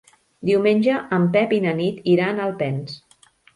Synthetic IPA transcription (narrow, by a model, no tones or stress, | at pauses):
d̪iwmenʲʒəʔəmpɛpinənit̪iɾanəlˠpɛns